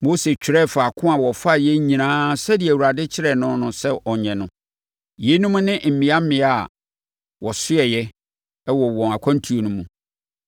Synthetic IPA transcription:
mo˦se˨t͡ɕᶣɪ˨ɾɛ˦˨fa˨kʰʊ̃˦a˨wɔ˨fa˦˨jɛ˦ɲĩ˨nãː˦sɛ˦di˨ɛ˨wu˨ɾa˨dɪ˦t͡ɕʰɪ˦ɾɛ˦˨nʊ̃˦nʊ̃˨sɛ˦ʔɔ˨ɲɛ̃˨nʊ̃˦ | je˨˦nũ˦mʊ̃˦nɪ̃˦˨m̩˨mĩ˨a˦m̩˦mɪ̃˨˦a˨ | wɔ˨sʊ˦ɛ˨jɛ˦ | ɛ˦wɔ˨wɔ̃˨a˨kʷʰã˦n̩˦tʰu˨o˨nũ˦mũ˨

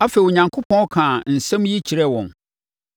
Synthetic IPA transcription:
a˦fe˨o˨ɲã˨ŋkʰo˦pʰɔ̃˦ɔ˦kʰã˨n̩˨sɛ̃˦mji˦t͡ɕʰi˨ɾɛ˦wɔ̰̃˨n

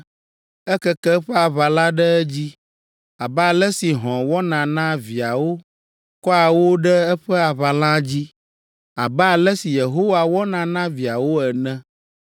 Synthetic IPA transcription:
ɛ˦kɛ˦kɛ˦ɸɛ˦a˨βa˨la˦ɖɛ˦ɛ˦d͡ʑi˦ | a˨bɛ˦a˨lɛ˦si˨ɦɔ̃˨wɔ˦nã˨nã˦vi˨a˨wo˦ | kɔ˦a˨wo˦ɖɛ˦ɛ˦ɸɛ˦a˨βa˨lã˦d͡ʑi˦ | a˨bɛ˦a˨lɛ˦si˨je˨ɦo˦wa˨wɔ˦nã˨nã˦vi˨a˨wo˦ɛ˨nɛ̃˦

